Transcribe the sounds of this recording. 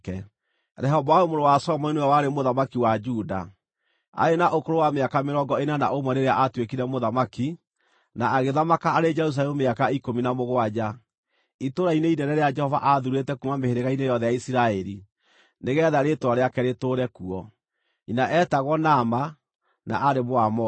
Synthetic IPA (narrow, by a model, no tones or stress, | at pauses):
ɛ | ɾɛɦɔbɔajomoɾowasɔmɔineɛwaɾemoðamakiwad͡ʒuda̰ | a̰enaʔokoɾowameakameɾɔŋɡɔenana̰ʔomwɛneɾeaʔatwekiɾɛmoðamaki | naːɣeðamakaaɾed͡ʒɛɾus̬aɛmumeakaikominamoɣwad͡ʒa | itoɾaineinɛɾɛɾead͡ʒɛhɔva̰ʔaðuɾetɛkumameheɾeɣainejɔðɛjaisiɾaɛɾi | neɣɛðaɾetwaɾeakɛɾetoːɾɛkuɔ | inaʔɛtaɣwɔnama | na̰ʔaɾemoamɔ